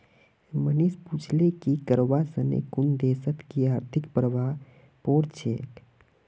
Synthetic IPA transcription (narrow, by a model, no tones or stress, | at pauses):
mənispuːt͡ʃʰlekikəɾʋasənḛkʊnd̪eːsət̪kiaːɾt̪ʰɪkpɾəʋaː | poːɾt͡ʃʰḛːk